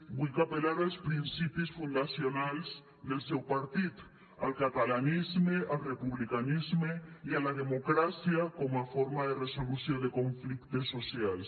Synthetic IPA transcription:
bujkapelaɾalspɾinsipisfund̪asjonalz | ðelsewpaɾt̪it̪ | a̰lkat̪alanizmeʔalrepuβlikanizmeialað̞emokɾasjakomafoɾmaðeresolusjod̪ekõɱflikt̪esːosjals

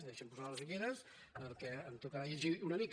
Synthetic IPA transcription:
d̪eʃəmpuzaləzβiɣeɾəs | pəɾkɛəmt̪okaʎeʒiunəmik

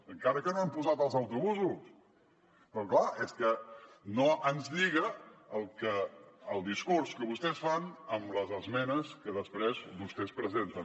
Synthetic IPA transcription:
əŋkaɾəkənoampuzat̪əlˠzəwt̪uβuzus | pɾɔklaʔeskə | noʔənzʎiɣəəlˠkəːlˠd̪iskuɾskəβust̪ɛsfanəmləzəzmɛnəskəðəspɾezβust̪ɛspɾəzent̪ə

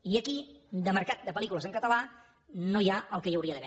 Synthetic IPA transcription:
iəkid̪əməɾkat̪̚d̪əpəlikuləzəŋkət̪əla | nojaəlˠkəjəwɾiəðəβɛ

